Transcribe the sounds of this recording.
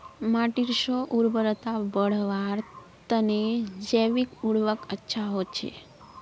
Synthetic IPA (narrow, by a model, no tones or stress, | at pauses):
maʈiɾʃoʔuɾbəɾət̪abəɽʋaɾ | t̪əned͡ʒəʋikuɽʋəkətːʃʰaɦot͡ʃʰḛ